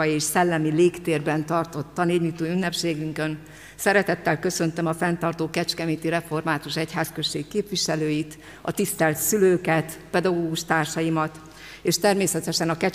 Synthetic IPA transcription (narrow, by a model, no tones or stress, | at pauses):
ɒjieːʃsɛlːɛmileːkt̪eːrbɛnt̪ɒrt̪o̞t̪ːɒneːɲut̪uːynːɛpʃeːɡyŋkø̞n | sɛɾɛt̪ɛt̪ːɛlkø̞sø̞nt̪ømɒfɛnt̪ɒrt̪oːkɛt͡ʃkɛmiːt̪iɾɛfo̞rmaːt̪uʃɛcɦaːskøʃːeːkːeːpʋiʃɛløːjit̪ | ɒ̰t̪ist̪ɛlt̪syløːkɛt̪pɛd̪ɒɡoːɡuʃt̪aːrʃɒjimɒt̪ | eːʃt̪ɛrmeːsɛt̪ɛʃɛnɒkɛ